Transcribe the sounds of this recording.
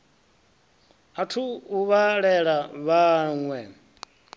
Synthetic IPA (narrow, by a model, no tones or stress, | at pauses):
atʰuuβaɺɛɺaβaːŋwɛ